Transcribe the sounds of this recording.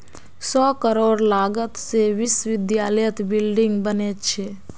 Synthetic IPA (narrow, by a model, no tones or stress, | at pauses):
sɔːkəɾoːɾlaːɡət̪seʋɪsʋɪd̪jaːləjət̪bɪlɖɪ̃ŋɡbənett͡ʃʰe